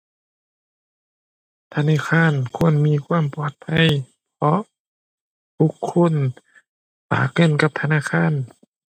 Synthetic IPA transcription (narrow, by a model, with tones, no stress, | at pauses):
t̪ʰa˧naː˧˥˨xʰaː˧˥˨nkʰu˧˥˨ənmiː˧˥˨kʰwaː˧˥˨mpɔː˧t̪̚pʰa˧˥˨j | pʰɔ˧˥ | t̪ʰu˧˥kʰːo˧˥˨n | pa̰ː˨˩k̚hɯ˧˥˨nka˧p̚t̪ʰa˧naː˧˥˨xʰaː˧˥˨n